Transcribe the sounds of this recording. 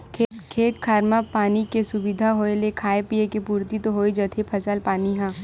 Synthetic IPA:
kʰːkʰeːt̪kʰaːɾmapaːnikesʊbid̪ʱaɦoːelekʰaːepiekepuːɾt̪it̪oɦoːid͡ʒət̪ʰepʰɐsəlpaːniɦãː

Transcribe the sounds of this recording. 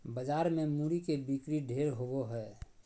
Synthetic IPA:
bəd͡ʒaːɾmemuɾikebikɾiɖʱeːɾɦoboɦɛː

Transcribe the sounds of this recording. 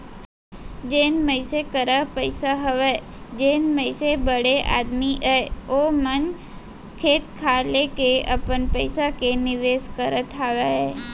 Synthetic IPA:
d͡ʒenməjsekəɾapəjsaɦəʋe | d͡ʒenməjsebəɽeʔa̰d̪miʔəomən | kʰeːt̪kʰalekeəpəɳpəjsakenɪʋeskəɾət̪ɦaʋaɦe

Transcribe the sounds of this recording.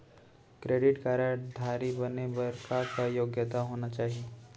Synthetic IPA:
kɾeːɖɪʈkaːɾəʈd̪ʱaːɾibɐnebɐɾkʰakajoːɡjət̪aɦoːnat͡ʃaːɦie

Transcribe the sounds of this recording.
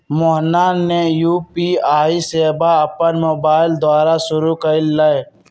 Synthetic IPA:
moɦnaːnːejuːpiːaːiseːbaɐpənmoːbaːɪld̪aːɾasʊɾukəilae

